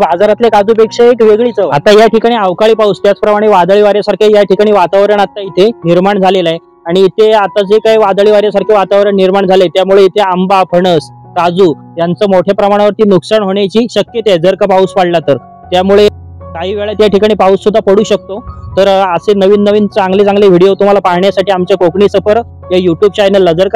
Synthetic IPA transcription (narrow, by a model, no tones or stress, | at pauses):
bad͡zaɾat̪lekad͡zuːpekʂeekʋeɡɭiːt͡səat̪ajaʈʰikaɽ̃iaʋkaɭiːpaust̪jat͡spɾəmaɽ̃eʋad̪ɭiʋaɾjasaɾkʰejaʈʰikaɽ̃iʋat̪aʋɾəɳat̪ːait̪ʰeniɾmaɳd͡zʱalelae | aɽ̃iːt̪ʰeat̪ːat͡sekajʋad̪ɭiʋaɾjasaɾkʰeʋat̪aʋɾəɳniɾmaɳd͡zʱalet̪jamuɭeit̪ʰeambapʰəɳəs | kad͡zuː | jant͡səːmoʈʰepɾəmaɽ̃ʋəɾt̪iːnuksaɳɦoɳ̃jat͡ɕiːɕəkjet̪ed͡zəɾkapauspaɽlat̪əɾ | t̪jamuɭe | kaɦiːʋeɭat̪jaʈikaɽ̃iːpausːud̪ʱːapəɽuːɕək̚t̪ot̪əɾəsenəʋiːnːəʋiːnt͡saŋɡlet͡sãŋɡleʋ̤ʱiɽijot̪um̤alapaɦɳjasaʈʰiːamt͡ɕjakokɳisəpəɾ | jajuʈjuːb̚t͡ɕajnəlːəd͡zəɾk